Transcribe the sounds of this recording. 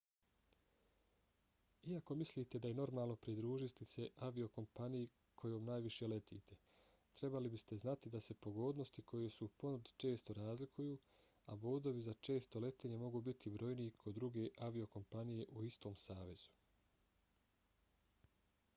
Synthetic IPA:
iako̞misliːt̪e̞d̪ajeno̞ɾmaːlˠno̞pɾid̪ɾuːʒit̪ise̞ʔaʋio̞ko̞mpanije | kʰo̞jo̞ːmnaːjʋiʃe̞le̞t̪ʰḭːt̪ʰe̞ | t̪ɾe̞balibist̪e̞znat̪id̪ase̞po̞ɡo̞ːd̪no̞st̪ikʰo̞je̞supo̞nud̪i̥t͡ʃe̞ːst̪o̞ɾaːzlikʰujuː | abo̞ːd̪o̞ʋizat͡ʃe̞ːst̪o̞le̞t̪eːɲe̞mo̞ɡuːbit̪ʰibɾo̞jniikʰod̪ːɾuɡe̞ʔaʋio̞ko̞mpanije̞ʔuist̪o̞ːmsaːʋe̞z̥u̥

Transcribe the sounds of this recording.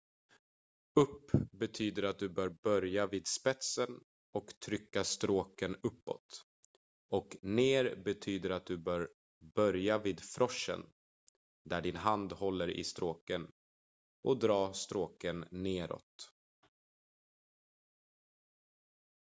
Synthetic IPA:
ɵpːbɛt̪ʰyːd̪əɾat̪̚d̪ɵbœːɾbœɾjaviːd̪spɛt̪sən | ɔkt̪ʰɾʏkːast̪ɾoːkənɵpːɔ̰t̪ | ɔkneːɾbɛt̪ʰyːd̪əɾat̪̚d̪ɵbœːɾ | bœɾjaviːd̪fɾʔɔʂːə̰n | d̪æɖɪnɦand̪hɔlːəɾʔɪ̰st̪ɾoːkən | ʔɔd̪ɾɑːst̪ɾoːkənːeːɾɔ̰t̪

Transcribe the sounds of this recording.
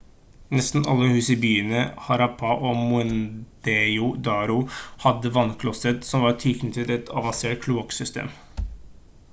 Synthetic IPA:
nɛst̪n̩ɑlːəhʉːsɪbyːənəhɑɾɑpʰɑʔoːmʊɛnd̪̥eʊd̪ɑːɾʊhɑd̪əʋɑnkʰlɔsət̪sɔmʋɑɾt̪ʰʏknt̪ʰɪlɛt̪ʰɑ̰ʋɑnseːʈkʰluɑksʏst̪ḛːm

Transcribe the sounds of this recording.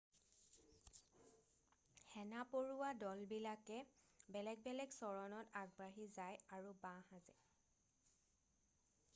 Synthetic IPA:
hɛnapoɹuwadɔlbilakɛbɛlɛɡ̚bɛlɛɡsɔɹɔnɔtaɡ̚baɦizajaɹubãhazɛ̰

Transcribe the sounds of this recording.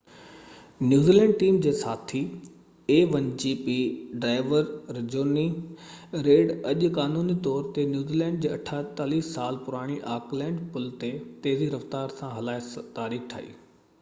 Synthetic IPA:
njuːziːlɛ̃ːɳɖʈiːmd͡ʑeːsaːt̪ʰi | eːʋɐ̃ɲd͡ʑipiɖaːɪʋəɾɾɪd͡ʑoːni | ɾeːɽɐʄʊkaːnuːnit̪ɔːɾt̪enjuːziːlɛ̃ːɳɖ̚d͡ʑeːɐʈʰaːt̪aːliːssaːlpʊɾaːɽ̃iʔaːklɛ̃ːɳɖpʊlt̪et̪eːziɾɐft̪aːɾsãɦɐlaːɪt̪aːɾiːxʈʰa̰ːḭː

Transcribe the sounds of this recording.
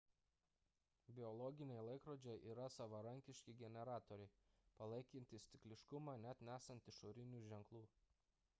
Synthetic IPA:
bʲɪɔlˠɔɡʲɪnʲɛɪlˠɐɪkɾoːd͡ʒʲɛʔiːɾɐsɐʋɐɾɐŋʲkʲɪʃʲkʲɪɡʲɛnʲɛɾɑːt̪ɔɾʲɛɪpɐlˠɐɪkʲɪnʲt̪ʲɪsʲt̪ʲɪklʲɪʃkʊmɑːnʲæt̪nʲæːsɐnʲt̪ʲɪʃoːɾʲɪnʲuːʒʲɛŋklˠuː

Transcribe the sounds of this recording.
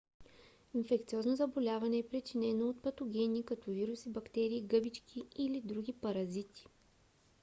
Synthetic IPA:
infɛkt̪siɔznozɐbolʲavɐnɛːpɾit͡ʃinɛnoot̪̚pɐt̪oɡʲɛnikɐt̪ɔviɾusibɐkt̪ɛɾiːɡɤbit͡ʃkʰʲiilid̪ɾuɡʲipɐɾɐzit̪i̥

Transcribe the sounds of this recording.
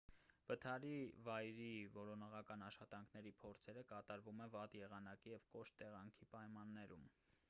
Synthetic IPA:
vət̪ʰɑɾivɑjɾivɔɾɔnɔʁɑkɑnɑʃχɑt̪ɑŋkʰnɛɾipʰɔɾt͡sʰɛɾəkɑt̪ɑɾvumɛvɑt̪jɛʁɑnɑkijɛvkɔʃt̪ːɛʁɑŋkʰipɑjmɑnːɛɾum

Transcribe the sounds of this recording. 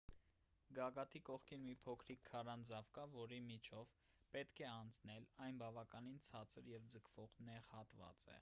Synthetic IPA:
ɡɑɡɑt̪ʰikɔχkʰinmipʰɔkʰɾikʰːɑrɑnd͡zɑvkɑvɔɾimit͡ʃʰɔv | pɛt̪kʰɛɑnt͡sʰnɛlɑjnbɑvɑkɑnint͡sʰɑt͡sʰəɾjɛvd͡zəkʰv̥ɔʁnɛʁhɑt̪vɑ̰t͡sɛ̰

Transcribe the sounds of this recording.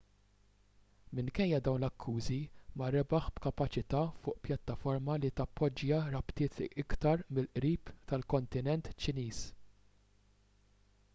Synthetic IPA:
mɪŋkɛjːɐd̪ɐwnlɐkʰːuːzimɐɾɛbɐħbkɐpɐt͡ʃɪt̪ɐːfʊːʔpjɐt̪ːɐfɔɾmɐlit̪ɐpːɔd͡ʒjɐɾɐpt̪ɪːt̪ɪkt̪ɐɾmɪlʔɾiːpt̪ɐlkɔnt̪ɪnɛnt̪t͡ʃːɪniːs

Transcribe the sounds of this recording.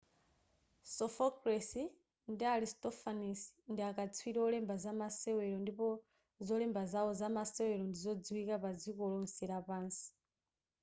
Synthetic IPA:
sɔfɔkɾɛsi | ndiaɾistɔfanisndiakat͡sʰwiɾɛɔlɛmbazamasɛwɛɾɔndipɔ | zɔlɛmbazawɔzamasɛwɛɾɔndizɔd͡ziwikapad͡zikɔlɔn̩siɾapaːnsi̥

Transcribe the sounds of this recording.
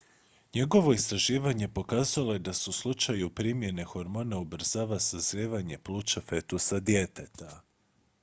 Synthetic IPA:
ɲe̞ɡo̞ʋo̞ist̪ɾaʒiːʋaɲe̞po̞kaːzalˠoje̞d̪asuslˠut͡ʃajupɾiːmje̞ne̞xo̞ɾmo̞ːnaubɾ̩zaːʋasazɾeːʋaɲe̞plˠuːt͡ʃafe̞t̪usad̪je̞t̪et̪ʰa

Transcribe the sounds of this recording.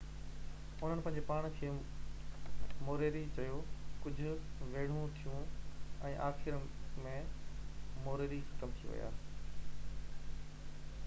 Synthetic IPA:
ʊn̤ənɪpɐ̃ɦɪ̃ɲd͡ʑepaːɽ̃kʰi | moːɾeːɾit͡ɕɐjokʊd͡ʑʱʊ̆ʋeːɽ̤ũt̪ʰijũɛ̃ːʔaːxɪɾmẽ | moːɾeːɾixɐt̪əmt̪ʰiʋɐ̰ja̰ː

